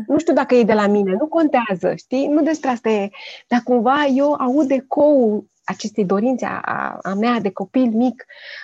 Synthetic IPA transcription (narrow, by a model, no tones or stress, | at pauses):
nuʃt̪ʲiud̪akəjejd̪e̞lamine̞nuko̞nt̪eazə̰ʃt̪inud̪e̞spɾeast̪ed̪̥akumvaje̞waud̪e̞ko̞ul | at͡ʃe̞st̪ejd̪o̞ɾint̪sea̰a̰a̰mead̪e̞ko̞pilmik